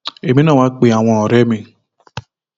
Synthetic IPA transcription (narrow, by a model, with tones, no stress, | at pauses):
e˨mĩ˦nã˦˨wa˦k͡pe˧a˨w̃ɔ̃˧ɔ˨ɾɛ˦mĩ˧